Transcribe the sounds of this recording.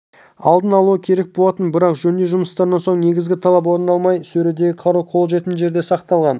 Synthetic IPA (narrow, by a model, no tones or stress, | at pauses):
ɑ̰lˠd̪ənɑlˠuəkʲʰe̞ɾe̞k̚bo̞lˠɑt̪ənbɪɾɑqʒɵnd̪eʒʊməst̪ɑɾnɑnsoɴne̞ɡʲɪzɡʲɪt̪ʰɑlˠɑp̬wo̞ɾənɑlˠmɑjsɵɾed̪e̞ɡʲɪqʰɑɾuqʰo̞lˠʒe̞t̪ɪnʒe̞ɾd̪esɑqt̪ɑlˠʁɑn